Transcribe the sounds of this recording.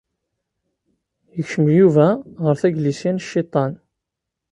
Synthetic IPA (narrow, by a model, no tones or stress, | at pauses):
jəçʃəmjuvæʁəɾθæɡlisinʃːit̪ˤɑn